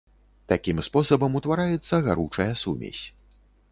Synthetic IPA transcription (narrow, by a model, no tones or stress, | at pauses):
t̪akʲimspɔsɐbɐmut̪vaɾajɛt̪sːɐɣaɾut͡ʂɐjɐsumʲḛsʲ